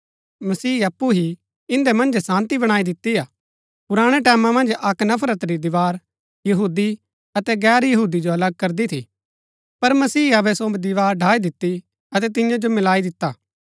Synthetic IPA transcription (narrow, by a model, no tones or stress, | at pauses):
mɐsiːɐpːuɦi | ɪ̃nd̪emɐ̃nd͡ʒsãːnt̪ibɐɽ̃aːid̪ɪt̪ːiaː | pʊɾaːɽ̃ɛʈɛːmãmɐ̃nd͡ʒɐknɐpʰɾət̪ɾid̪ɪʋaːɾ | jɐɦuːd̪i | ɐt̪ɛɡɛːɾjɐɦuːd̪id͡ʒoɐləɡ̚kɐɾd̪it̪ʰḭ | pɐɾmɐsiːɐbɛsod̪ɪʋaːɾɖʱaːid̪ɪt̪ːi | ɐt̪̬ɛt̪ɪ̃jãd͡ʒomɪlaːid̪ɪt̪ːaː